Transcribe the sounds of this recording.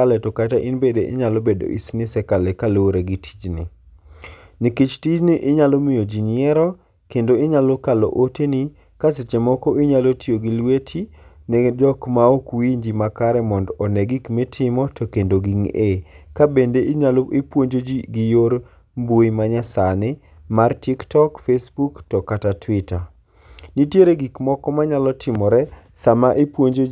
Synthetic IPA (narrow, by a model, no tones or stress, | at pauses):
alɛtɔkataʔinbedeʔɪ̰ɲalɔbedo̰ʔḭsnɪsɛkalɛkaloɾeɡitʰi̥d͡ʒnḭ | nikit͡ʃtid͡ʒniʔɪɲalɔmɪjod͡ʒinɪɛɾɔ | kendoɪɲalokalɔ̰ʔoteni | kaset͡ʃemɔkɔɪɲalotijoɡilwetʰinɛdɔkmaokwiɲd͡ʒimakaɾɛmɔndɔnɛɡikmɪtʰɪmɔtokendoɡiŋekabendeʔɪɲaloʔipwoɲd͡ʒod͡ʒiɡijoɾ | mbojmaɲasanɪ | martiktɔkfesbuktɔkatatʰwɪta | nitjeɾeɡikmɔkɔmaɲalɔtʰɪmɔɾɛ | samaʔepwoɲd͡ʒo